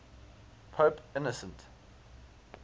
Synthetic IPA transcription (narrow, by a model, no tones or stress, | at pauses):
pʰoːpɪnɔsə̃nt